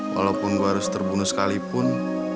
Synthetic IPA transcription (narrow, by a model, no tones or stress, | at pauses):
wa̰lapʊnɡoɦaɾʊst̪ərbunʊsə̥kalipʊn